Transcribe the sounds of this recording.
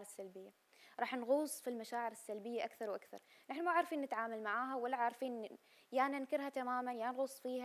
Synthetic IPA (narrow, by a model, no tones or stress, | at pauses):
ɾɪsːalbɪjːa | ɾˤɑːħnɣuːsˤfilmaʃaːʕɪɾɪsːalbɪjːaʔakθɑɾwʔakθɑ̰ɾˤnaħnʊmaʕɪɾfiːnːɪt̪ʕaːmalmaʕaːɦawalːaʕaʕɾfiːn | jaːnɪnkɪɾhat̪amaːmanjaːnɣuːsˤfiːha